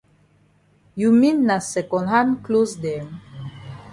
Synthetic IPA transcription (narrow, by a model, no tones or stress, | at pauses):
juminːasɛkɔ̃nɦanklozd̪ɛm